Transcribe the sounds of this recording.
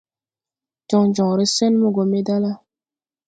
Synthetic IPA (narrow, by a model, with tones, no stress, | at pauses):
d͡ʒɔ˨˦ŋd͡ʒɔ˨ŋ˨ɾi˦sɛ˦nmu˦ɡo˨me˦da˦la˦